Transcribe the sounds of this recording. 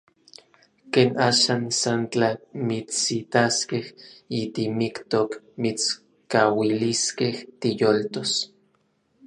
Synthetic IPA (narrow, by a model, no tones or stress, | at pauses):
keːnaːʃaːnsant͡ɬamit͡ssit̪askehit̪imikt̪ok | mit͡s | kawiliskeht̪ijolt̪os